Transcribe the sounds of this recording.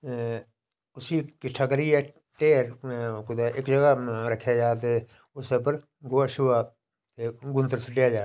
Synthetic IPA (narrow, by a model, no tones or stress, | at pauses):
ʊsiːkɪʈʰːaːkəɾiɛː | ʈeːɾkʊd̪aːʔɪkd͡ʒəɡaːɾəkʰːjaːd͡ʒaːt̪̬eː | ʊsep̬əɾ | ɡoaːʃʊʋaː | t̪eːɡʊnt̪əɾsʊʈːɪjaːd͡ʒaː